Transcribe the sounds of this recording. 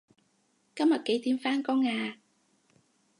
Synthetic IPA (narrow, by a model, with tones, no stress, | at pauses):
kɐ˥mɐ˨˩t̚ke˨˥jt̪ʰiː˧˥mfaː˧˥nkɔː˧˥ŋaː˧